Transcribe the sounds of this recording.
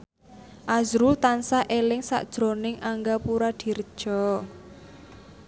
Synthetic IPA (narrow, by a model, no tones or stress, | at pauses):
ʔazɾʊlt̪ansaʔelɪŋsa̰ʔd̥ʒ̥ɾonɪŋʔaŋɡapuɾad̪̥i̤rd̥ʒ̥ɔ